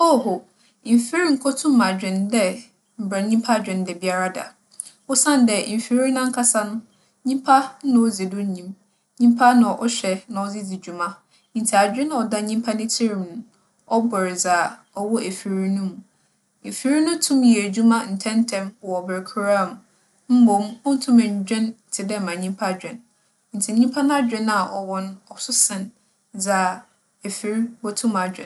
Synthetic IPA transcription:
o˦˨ɦo˨ | m̩˨fi˦ɾi˦ŋ̩˨kʰɔ˦tʰũ˦mã˨d͡ʑᶣɪ̃˨ndɛ˦ | m̩˨bɾa˨ɲĩ˦mpʰa˦˨d͡ʑᶣɪ̃˨n˨dɛ˨bi˨˦a˦ɾa˦da̰˨ | wʊ˦sã˦n˨dɛ˨fi˦ɾi˦nã˦ŋ̩˦kʰa˦sa˦nʊ̃˦ | ɲĩ˦m˦pʰa˦nã˨o˦d͡zi˨dʊ˦ɲĩ˨m | ɲĩ˦m˦pʰa˦nã˨ʔɔ˦ɕᶣɛ˨nã˨ɔ˦d͡zɪ˦d͡zi˨d͡ʑu˨mã˦ | n̩˨tʰi˨a˨d͡ʑᶣɪ̃˦n˨ɔ˨da˦ɲĩ˦m˦pʰa˦nɪ̃˦tʰi˦ɾi˨mnʊ̃˨ | ɔ˦bɔ˨ɾɪ˨d͡za˨ | ɔ˦wɔ˦ʔe˨fi˨ɾi˦nũ˦mũ˨ | e˨fi˦ɾi˦nʊ̃˦tʰũ˦mjɛ˨æ˨d͡ʑu˦mã˦n̩˨tʰɛ̃˦ntʰɛ̃˦m˨ɔ˨bɛ˨ɾkʰu˨˦ɾa˦˨m˨ | m̩˦bõ˨mɔ̃˦n̩˦tʰũ˦mæ̃˨ɲ˨d͡ʑᶣɛ̃˦n̩˨tʰɪ˨dɛ˦˨mã˨ɲĩ˦m˦pʰa˦˨d͡ʑᶣɛ̃˨n | n̩˨tʰi˨ɲĩ˦m˦pʰa˦ñ˦a˦d͡ʑᶣɛ̃˦na˨ʔɔ˨wɔ̃˦nɔ˨sʊ˦sɪ̃˨n | d͡za˨ | e˨fi˨ɾi˦bɔ˦tʰũ˦ma˨d͡ʑᶣɛ̰̃˨n

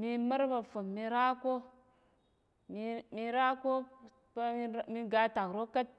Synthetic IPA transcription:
mi˦ma˦ɾba˨fo˨mːi˨ɾa˦ko˦ | mi˦mi˦ɾa˦ko˦ | pa˦mi˦ɡa˨ta˨kɾo˦ka˦t̚

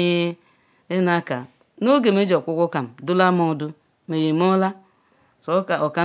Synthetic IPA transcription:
e˦ | e˦na˦ka̰˨ | no˦ɡe˨me˦d͡ʒo˨kʷu˦kʷu˦ka˨m̩˨dʊ˦la˦mo˨du˦ | me˨je˨m˦o˦la˦ | so˨˦ka˨o˨ka˦

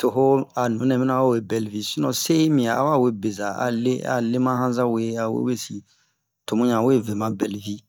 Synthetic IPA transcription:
to˨ɦo˦a˨nũ˨˦nɛ̃˨bɛ˦nã˦ko˦we˦˨bɛ˨lvi˦si˦nɔ̃˨se˦i˦mĩ˨a˨a̰˦wa˦˨we˦be˨za˨a̰˨le˦a̰˨le˦mã˦hã˦zã˦we˦a˨wḛ˦we˦si˨ | to˨mũ˦ɲã˨we˦ve˨mã˨bɛ˨lvi˦

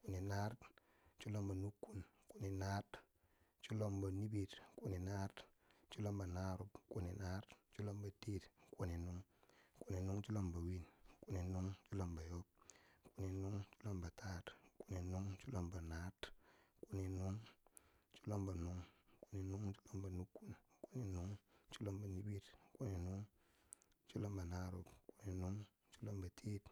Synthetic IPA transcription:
ku˨ni˨na˦ɾt | t͡ʃu˦lo˦mba˨nu˦kːu˦n | ku˨ni˨na˦t | t͡ʃu˦lo˦mba˨ni˦bi˨tku˨ni˨na˦t | t͡ʃu˦lo˦mba˨na˦ɾu˦bku˨ni˨na˦ɾtt͡ʃu˦lo˦mba˨ti˦tku˨ni˨nu˦ŋku˨ni˨nu˦ŋt͡ʃu˦lo˦mba˨wi˦nku˦ni˨nu˦ŋt͡ʃu˦lo˦˨mba˨jo˦b̚ku˨ni˨nu˦ŋt͡ʃu˦lo˦mba˨ta˦tku˨ni˨nu˦ŋt͡ʃu˦lo˦mba˨na˦tku˨ni˨nu˦ŋ | t͡ʃu̥˦lo˦mba˨nu˦ŋko˨ni˨nu˦ŋt͡ʃu̥˦lo˦mba˨nu˦kːu˦n˨ku˨ni˨nu˦ŋt͡ʃu˦lo˦mba˨ni˦ɓi˦tku˨ni˨nu˦ŋ | t͡ʃu˦lo˦mba˨na˦ɾo˦˨pku˨ni˨nu˦ŋ | t͡ʃu˦lo˦mba˨tʰi˦t

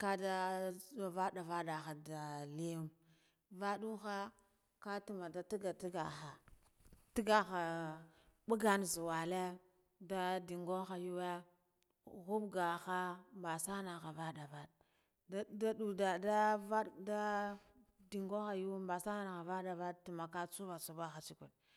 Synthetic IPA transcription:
ka˦da˦˨ | va˦da˨va˦da˨xa˨da˨li˦u˦m | va˦ɗu˦xa˦ | ka˦tu˨ma˨da˨ti˦ɡa˨ti˦ɡa˨xa˨ | ti˦ɡa˨xa˨ | ɓu˦ɡa˦nzu˨wa˨le˦ | da˦di˨ŋɡo˦xa˨ju˦we˦ | ɣu˦bɡa˨xa˦mba˨sa˦na˨xa˨va˦da˨va˦d | da˦du˨da˨da˦va˦dda˦ | di˨ŋɡo˦xa˨ju˦wmba˨sa˦n˦a˨ɣa˨va˦da˨va˦d̚tu˨ma˨ka˦t͡su˦va˨t͡su˦ba˦xa˨t͡ʃi˦kʷṵ˨n

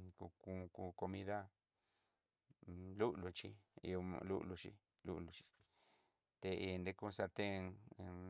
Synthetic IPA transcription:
ku˧ku˧ku˧ko˧mĩ˦ða˦ | lu˦ʔlu˧t͡ʃi˦ḭ˧õ̰˧lṵ˦ʔlu˧t͡ʃḭ˦ | lṵ˦ʔlu˧t͡ʃi̥˧ | t̪e˧i˧nd̪e˦ku˦˧sa˧t̪e˦˧

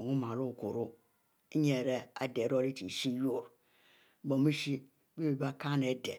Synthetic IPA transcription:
ŋu˦mã˨lo˦˨ku˨ɾu˦ | i˦ɲɛ˨ɾɛ˦a̰˨de˨˦ɾo˦ɾi˦t͡ʃi˨ʃi˦jo˦˨ɾ | ɡ͡bɔ˨mi˦ʃi˦ | be˦be˨ba˦ka˦ne˨˦dɛ˨

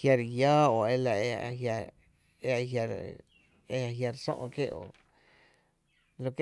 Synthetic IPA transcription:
hja˧ɾjaː˦o˨e˧la˧e˧a̰˧ɦja˧ | e˧a˧ɦja˧ɾ̰ | e˧a˧ɦja˧ɾsõ̰˦ʔõ̰˧ke˦ʔo̰˨ | lo˧ke˦

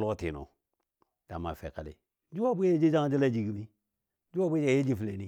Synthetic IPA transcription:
lo˦ti˨no̰˨ | d̥a˨ma˨fḛ˨ka˨lḛ˨˦ | d͡ʒu˦wa˦bʷe˦e˦d͡ʒe˦d͡ʒa˦d͡ʒi˦la˦˨d͡ʒi˨ɡi˦mi˦ | d͡ʒu˦wa˦bʷe˦d͡ʒa˨je˦d͡ʒi˦˨fle˨ni˨

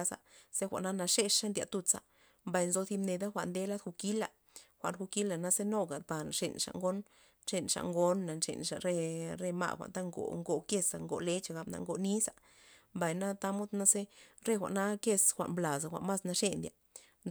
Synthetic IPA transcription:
sa̰˨se˦xʷa̰˨ʔna˦na˧ʂe˧ʂʂa˦nd̪ʲa̰˨t̪u˧t͡sa̰˧ | mba˨jnzo˧θi˧bne˧d̪a˦xʷa˨ʔnd̪e˧˦la˦d̪xu˧ki˦la˨ | xʷa̰˨ʔnxu˧ki˦la˨na˧˦se˦no˦ɡa˨d̪̚ba˨ʂḛ˨nʂa̰˧˨ŋɡo˦n | ʂe˧nʂa̰˨ŋɡo˦nːa˨nʂḛ˨nʂa˨ɾe˧ɾe˧ma̰˧˨xʷa̰˨nt̪a˦ŋɡo̰˨ŋɡo˨ke˦˧sa˨ŋɡo̰˨le˦t͡ʃa˧˨ɡa˧bna̰˧ŋɡo˨ni˦sa˨ | mba˨jna˦t̪a˦mo˦d̪na˦se˦ɾe˦xʷa̰˨ʔna˦ke˧sxʷa̰˨nbla˨sa˨xʷa̰˨nma˦sna˧ʂe˦˧nd̪ja̰˨

